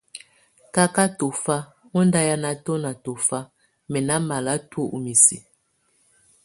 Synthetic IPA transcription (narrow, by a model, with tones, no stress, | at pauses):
ka˦ka˦to˨fa˦ | mo˦nda˦ja˦na˨to˦na˨to˨fa˦ | mɛ˨na˦ma˨la˦two˦ʔu˨mi˨sḭ˨